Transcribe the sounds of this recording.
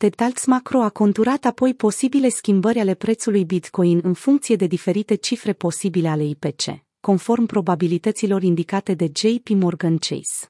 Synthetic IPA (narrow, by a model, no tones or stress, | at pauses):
t̪et̪alt̪smakɾo̞ako̞nt̪uɾat̪apo̞jpo̞sibile̞skʲimbəɾʲale̞pɾe̞t̪sulujbit̪ko̞inɨnfuŋk̚t̪sije̞d̪e̞d̪ife̞ɾit̪e̞t͡ʃifɾe̞po̞sibile̞ale̞ipe̞t͡ʃe̞̰ | ko̞nfo̞rmpɾo̞babilit̪ət̪silo̞ɾind̪ikat̪e̞d̪e̞d͡ʒejpimo̞rɡant͡ʃḛjs